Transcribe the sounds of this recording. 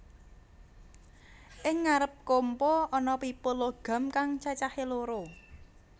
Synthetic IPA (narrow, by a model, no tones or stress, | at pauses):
ʔɪŋːaɾəp̚kompɔɔnɔpipoloɡ̥a̤mkaŋt͡ʃat͡ʃaheloɾo